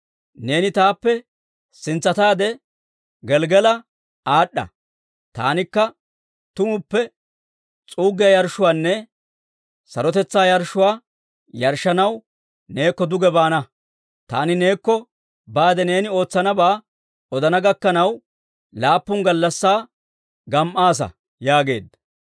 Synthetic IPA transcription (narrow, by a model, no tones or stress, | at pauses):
ne̞ːnɪt̪aːpːɛ | sɪnt͡sːɐt̪aːd̪ɛ | ɡɛlɡɛlɐ | aːɗːɐ̰ | t̪a̰ːnɪkːɐ | t̪ʊmʊpːɛ | t͡sʼuːɡɪjɐjɐɾʃʊwaːnːɛ | sɐ̰ɾɔt̪ɛt͡sːaːjɐɾʃʊwaː | jɐɾʃːɐnɐw | ne̞ːkːɔd̪ʊɡɛbaːnɐ | t̪a̰ːnɪne̞ːkːɔ | baːd̪ɛne̞ːnɪo̞ːt͡sːɐnɐbaː | ɔd̪ɐnɐɡɐkːɐnɐw | laːpːʊŋɡɐlːɐsːaː | ɡɐmʔaːs̬ɐ̰ | jaːɡe̞ːd̪ːɐ